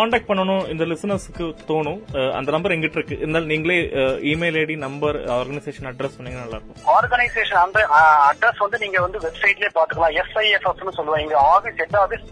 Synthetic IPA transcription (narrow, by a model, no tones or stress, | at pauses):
kaːɳɖaːk̚ʈ̚pɐɳːɐɳʊ̃ɪnd̪ɐlɪsɐnɐsɯkːɯt̪oːɳʊ̃ɐ̰nd̪ɐnɐmbɐɾɛŋɡɐɪʈːɪɾɯkːɯʔɪðɐnd̪aːlniːŋɡɐɭeːiːmeːleːɽinɐmbɐɾaːɾɡɐnɐɪseːʂɐnɐɖɾɛspɐnːiːŋɡɐnɐlːa̰ːɪɾɯkːʊ̃aːɾɡɐnɐɪseːʂɐnɐnbɐɐɖɾɛsʋɐnd̪ɯniːŋɡɐʋɐnd̪ɯʋɛbsɐɪʈɪleːpaːɾt̪ɯkːɐɭãːɛsɐɪɛfɐsnːɯsɔlːɯʋãɪŋɡɐaːfisɛʈ̪ːɐɐði